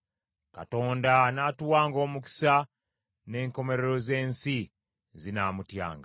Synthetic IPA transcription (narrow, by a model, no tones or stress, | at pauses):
ka̰to̞ːndanatuwaːŋɡo̞ːmuki̥sa | ne̞ːŋko̞me̞ɾe̞ɾo̞ze̞ːnsi | zinamutja̰ːŋɡa